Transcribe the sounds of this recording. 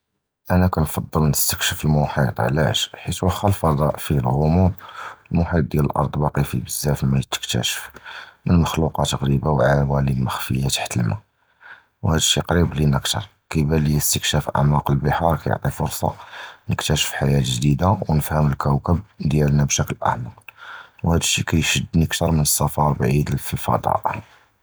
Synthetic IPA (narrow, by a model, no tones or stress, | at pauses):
ʔænækænfɑd̪ˤːəlnəst̪ə̥kʃəfəlmʊħit̪ˤʕlæ̰ʃħit̪wæxːəlfɑd̪ˤɑʔfilɣʊmut̪lmʊħit̪̚d̪jæləlʔɑ̰ɾˤd̪ˤbɑqifibəzːæfimæjət̪ːə̥kt̪æ̰ʃə̥fmənməxluqɑt̪əɣɾibawʕawælilməxfəjat̪ḁħt̪əlma̰ | whæd̪əʃːiqɾiblinʔəkt̪ɑ̰ɾˤ | kæjbælijəst̪əkʃæfʔa̰ʕmɑqəlbəħɑɾˤkæjo̰ʕt̪ˤifʊɾsˤɑ̰nəkt̪æʃə̥fħajæt̪ʒd̪id̪awnəfhəməlkæwkəbd̪jælnæbʃækəlʔa̰ʕmɑwhæd̪əʃːikæjʃəd̪ːniəkt̪ɑɾˤmənəsːɑfɑɾˤbʕid̪lfifɑ̰d̪ˤɑ̰ʔ